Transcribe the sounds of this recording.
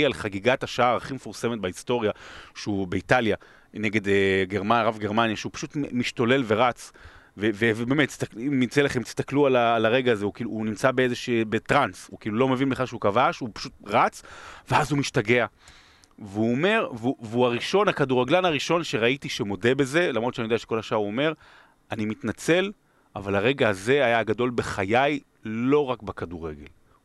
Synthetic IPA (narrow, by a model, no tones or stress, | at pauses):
alχaɡiɡat̪aʃaaʁaχimefuʁse̞met̪̚baist̪o̞ʁjaʃeubeitalja | neɡe̞d̪eɡeʁmaʁavɡeʁmanjaʃeupḁʃut̪miʃto̞lelve̞ʁat͡svevevebemet̪ːi̥st̪akimit͡selaχemt̪i̥st̪aklualaːlaʁe̞ɡaːzeukiːluːnimt͡sabeezeʃebetʁansukiːlulo̞mevinbeχaʃeukavaʃupḁʃut̚ʁat͡sveazumiʃtaɡe̞a | veuome̞ʁvuveuaʁiʃo̞nakaduʁaɡlanaʁiʃo̞nʃe̞ʁait̪iʃemo̞de̞be̞ze̞lamʁott͡ʃanijdeaʃeko̞lhaʃaaʁuome̞ʁ | animit̪nat͡se̞l | avalhaʁe̞ɡaːze̞ajaɡado̞lbeχajaj | lo̞ʁakbakaduʁe̞̰ɡe̞̰l